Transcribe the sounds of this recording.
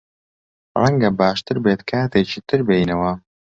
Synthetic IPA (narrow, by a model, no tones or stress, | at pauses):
rɐŋɡɐbaːʃt̪ɨɾbeːt̪kʰaːt̪ʰeːt͡ʃiːt̪ʰɨɾbejnɐwɐ